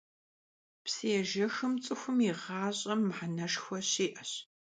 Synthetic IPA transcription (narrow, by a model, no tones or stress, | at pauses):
pseːʒɐxɨmt͡sʼɨxʷʊmiʁaːɕʼɐmːħanɐʂxʷɔɕiːʔɐɕ